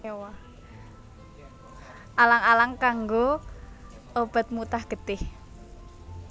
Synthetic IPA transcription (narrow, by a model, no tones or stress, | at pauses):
wa | ʔalaŋalaŋkaŋɡo | ob̥a̤t̪̚mut̪ahɡ̥ə̤t̪ɪh